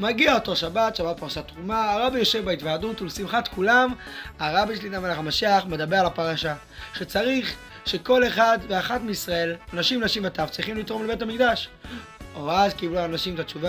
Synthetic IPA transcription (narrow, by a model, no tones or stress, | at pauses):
maɡiaot̪o̞ʃabat̪ʃabat̚paʁʃat̪ʁumaːʁabijo̞ʃe̞vbait̪vaːdut̪ulsimχat̪kulamaʁabiʃelidamalaχamaʃeaχme̞d̪abe̞alapaʁaʃa | ʃet͡saʁiχ | ʃe̞ko̞le̞χad̪veaχatmeisʁae̞lanaʃimnaʃimat̪avt͡sʁiχimlit̪ʁo̞mlebe̞tamikd̪aʃ | oazkibluanaʃimt̪at͡ʃuva